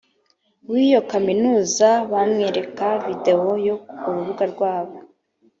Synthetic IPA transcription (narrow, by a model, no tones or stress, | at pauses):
wijo̞kaminuːzaβamŋe̞ːɾe̞kavide̞o̞jo̞uɾuβuɡaɾɡwaːβo